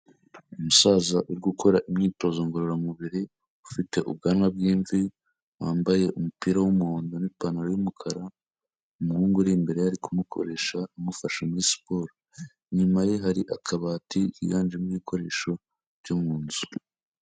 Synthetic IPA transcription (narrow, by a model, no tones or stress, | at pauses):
umusaːzaʔuɾɡukʰo̞ɾaʔimɲiːto̞ːzoŋɡoɾoɾamuβiɾi | ufite̞ʔṵb̚ɡaːnŋwab̚ɡiːɱvi | waːmbaje̞ʔumupiːɾawumuhoːndonipaːnuɾojumukʰaɾa | umuhuːŋɡuɾimbe̞ɾe̞jaɾikumukʰo̞̰ɾe̞ʃaumufaʃomispo̞ːɾo | ɲumaje̞ɦaɾiʔakʰaβaːtiḭjaːnd͡ʒimuiːkʰo̞ɾe̞ːʃo̞ | ɾɟumuːnzu̥